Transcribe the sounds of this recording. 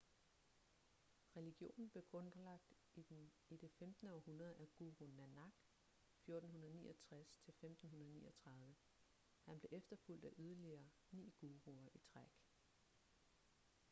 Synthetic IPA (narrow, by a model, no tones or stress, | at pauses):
ʁɛliɡ̥jo̝̰ːnn̩b̥le̝ɡ̥ʁɔ̽nlɑ̈ɡ̥̚d̥ | id̥en | id̥efemd̥nəɒhunɐð̞ˠæɡ̥uːʁonænɑɡ̥ | fjo̝ɐd̥n̩ɦunɐðˠnḭːʔɒt͡sʰʁast͡sʰe̝lfemd̥n̩hunɐð̞ˠnḭːʔɐɒt͡sʰʁɑ̈ð̞ˠʋə | hænb̥le̝ʔefd̥ɐful̰d̥æʔyð̞ˠɐliɐː | nḭːɡ̥uːʁuɐʔit͡sʰʁaɡ̥